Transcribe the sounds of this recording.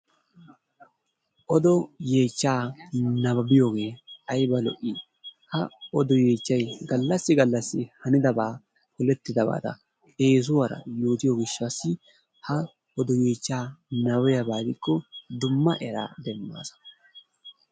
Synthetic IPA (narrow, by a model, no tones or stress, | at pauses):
ʔɔd̪ɔje̞ːt͡ʃːaːnɐbɐbɪjoːɡe̞ːɐjbɐlɔ̰ʔːɪ | hɐɔd̪ɔje̞ːt͡ʃːɐjɡɐlːɐsːɪɡɐlːɐsːɪhɐnɪd̪ɐbaː | kʊlɛt̪ːɪd̪ɐba̰ːt̪ɐ̰ | e̞ːs̬ʊwɐɾɐ̰jo̞ːt̪ɪjɔɡɪʃːasːɪ | hɐ | ɔd̪ɔjeːt͡ʃːaːnɐbɔjɐbaːɡ̪ɪkːɔd̪ʊmːɐʔɛɾa̰ːd̪ɛmːa̰ːsɐ̥